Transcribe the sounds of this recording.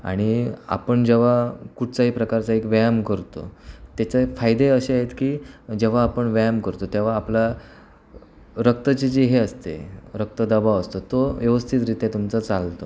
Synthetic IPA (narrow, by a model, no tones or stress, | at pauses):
a̰ɽ̃ia̰pəɳd͡ʑeʋ̤akuʈ̚ʰt͡saɦipɾəkaɾt͡saekʋajamkəɾt̪o̰t̪jat͡ɕefajd̪eəɕeaɦet̪kiːd͡ʑeʋ̤aːpəɳʋajamkəɾt̪ot̪jeʋ̤aːpla | ɾək̚t̪ət͡ɕid͡ʑiɦeəst̪ḛɾək̚t̪əd̪əbaəst̪ot̪oʋjəʋəst̪ʰit̪ɾit̪et̪umt͡sat͡salt̪o